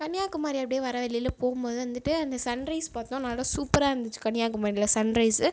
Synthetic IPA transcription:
kɐɳɪjaːkːɯmaːɾiɐpːɐɽɪjeʋɐɾɐʋɛɭːɪɪlpoːɣɯmpoːðɯʋɐnd̪ɯʈːɯɐnd̪ɐsɐnɾɐɪspaːɾt̪õːnɐːlːɐsuːpːɐɾaːɾɐnd̪ɯt͡ʃːɯ̥kɐɳɪjaːkːɯmaːdɾɪlɐsɐnɾɐɪsɯ

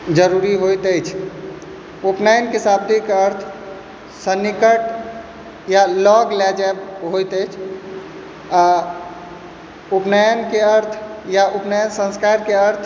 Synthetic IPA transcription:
d͡ʒəɾuɾiɦojt̪əjt͡ʃʰ | upnajənkesabd̪ikəɾt̪ʰ | sənːikəʈ | jalɔɡlad͡ʒaebɦojt̪əjt͡ʃʰ | a | upnajənkeəɾt̪ʰjaʔupnajənsə̃nskaɾkeəɾt̪ʰ

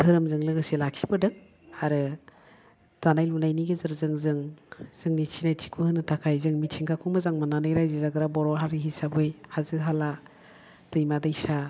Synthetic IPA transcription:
ɦɯɾɯmzɯŋlɯɡɯselaksʰi̥bɯdɯŋ | aɾɯ | tanajlunajniɡezɯɾzɯŋzɯŋz̥ɯŋnit͡ʃʰinajtʰi̥kʰuhɯnɯtʰakʰajzɯŋmitt͡ʃʰiŋkʰakʰuŋmazaŋmananajɾajzizaɡɯɾabɔɾɔɦaɾiɦisabɯjhazɯɦala | tɯjmadajsa

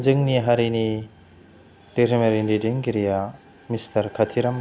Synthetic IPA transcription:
zɯŋniɦaɾini | deɾimeɾindidiŋkiɾija | mistʰɐɾkʰatʰiɾɐm

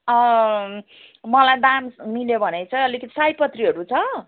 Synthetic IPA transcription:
ʌ | mʌlajd̪ammiljobʱʌnet͡sʰʌʌlikʌt̪i̥sajpʌt̪riɦʌɾut͡sʰʌ

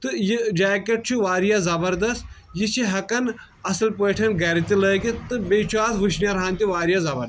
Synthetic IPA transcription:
t̪ɨjid͡ʒaːkeʈ̚t͡ʃʰuʋaːɾijazɐbɐɾd̪ɐst̪ | jit͡ʃʰiɦɐkɐn | ɐsɐlpoːʈʰɐnɡɐɾit̪iləːjkit̪ɨbet͡ʃʰaːt̪ʰʋuʃnjaɾɦaːnt̪iʋaːɾijazɐbɐ̰ɾd̪

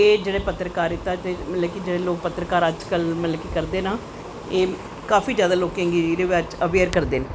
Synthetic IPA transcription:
eːd͡ʒeːɽeːpət̪ɾəkaːɾɪt̪ːaːt̪eːməlɛːkid͡ʒeːɽeːloːk̚pət̪ːɾəkaːɾəd͡ʒkəlmənlɛːkikəɾd̪eːnaː | eː | kaːfiːd͡ʒjaːd̪aːloːkẽːŋɡiiːɾeːʋat͡ʃəʋeːɾkəɾd̪eːnː

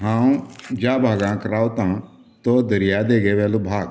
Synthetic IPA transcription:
ɦãːũd͡ʒaːbʱaːɡãːkɾaːot̪ãː | t̪oːd̪əɾɪjaːd̪eːɡeːʋɛːluːbʱaːɡ

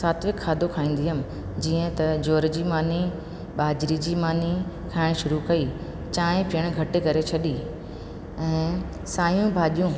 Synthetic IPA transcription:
saːt̪ʰʋɪkʰːaːd̪ʱokʰaːĩːn̆d̪iɦəmɪ̆ | d͡ʑiːə̃t̪ɐd͡ʑoːɾd͡ʑiːmaːni | ɓaːd͡ʑɾid͡ʑiːmaːni | kʰaːɪɽ̃ʃʊɾukɐi | t͡ɕaːẽpɪəɽ̃ɡʱɐʈekɐɾet͡ɕʰɐɗi | ɛ̃ː | saːjũbʱaːɗijũ

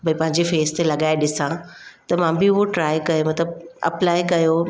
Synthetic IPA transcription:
bʱɐĩpɐ̃ɦɪ̃ɲd͡ʑefeːst̪elɐɠaːeɗɪsãt̪ɐmãːbɪʊɦoʈɾaːɪjkɐjomɐt̪ləbɐ̰plaːjkɐjo

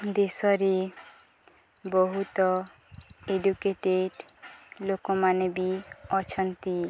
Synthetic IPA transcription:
d̪esɔɾi | bɔɦut̪ɔ | eɖukeʈeɖ | lokɔmanebiɔt͡ʃʰɔnt̪i

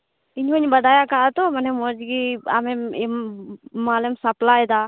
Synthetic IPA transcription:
iɲɦɔɲbad̪ajakaʔat̪ɔmanɛmɔd͡ʒɡia̰mɛmimmalɛmsaplajd̪a

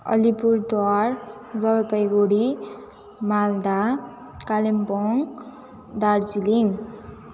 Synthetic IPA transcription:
ʌ̰lipuɾt̪waɾd͡zʌɡpʌjɡoɽi | mald̪a | kalimpɔŋ | d̪aɽt͡siliŋ

